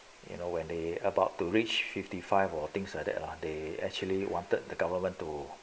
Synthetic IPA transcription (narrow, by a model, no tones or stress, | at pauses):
jṵnowɛ̃ndeəbaʊtːuɹit͡ʃfiftifaɪvɔt̪ĩŋsla̰k̚dɛ̰tladeɛ̰k̚t͡ʃuəliwɔ̃ntət̚dəɡavəmə̃ntːu